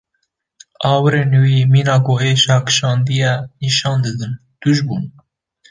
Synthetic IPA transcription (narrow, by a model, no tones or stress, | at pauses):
ɑːwɨɾeːnuwimiːnɑːkoːeːʃɑːkʃɑːnd̪ijɛniʃɑːnd̪ɨd̪ɨn | d̪̥uʒbun